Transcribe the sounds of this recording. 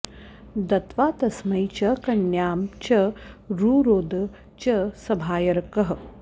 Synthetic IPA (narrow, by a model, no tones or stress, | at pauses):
d̪ɐt̪ʋaːt̪ɐsmɐjt͡ʃɐkɐnjaːmt͡ʃɐɾuːɾoːd̪ɐ | t͡ʃɐsɐbʱaːjɐɾɐkɐɦɐ̆